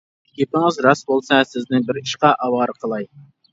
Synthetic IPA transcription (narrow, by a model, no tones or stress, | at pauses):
kʲʰepɪŋɪzɾɑsbolˠsɑsɪznɪŋbɪɾiʃqɑʔɑwɑɾqʰəlˠɑj